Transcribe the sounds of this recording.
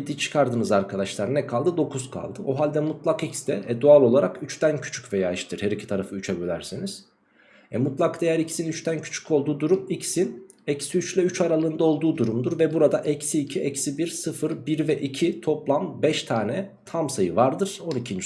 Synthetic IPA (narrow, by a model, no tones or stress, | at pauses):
d̪it͡ʃʰɯ̥kʰaɾd̪ɯnɯzaɾkʰad̪aʃlˠaɾnɛkʰalˠd̪ɯd̪o̞kʰuzkʰa̰lˠd̪ɯʔo̞ɦalʲd̪ɛmut̪lˠakicsd̪ɛɛd̪ualʲˠo̞lˠaɾakyt͡ʃt̪æncʰy̥t͡ʃʰy̥cvejaːiʃt̪iɾ̥hɛɾicʰit̪ʰaɾafɯyt͡ʃʰɛbølʲæɾseniz̥ | ɛmut̪lˠakd̪e̞jæɾicʰi̥sinyt͡ʃt̪ʰæncʰy̥t͡ʃʰy̥cʰo̞lˠd̪uːd̪uɾumicsin | ɛcsiyt͡ʃlʲɛyt͡ʃʰaɾalˠɯːnd̪ao̞lˠd̪uːd̪uɾumd̪uɾvɛbuɾad̪aʔɛcsiːcʰiɛcsibiɾsɯfɯɾbiɾvɛʔicʰit̪ʰo̞plˠambɛʃt̪ʰaːnɛ | t̪ʰamsajɯvaɾd̪ɯɾ̥o̞nicʰind͡ʒ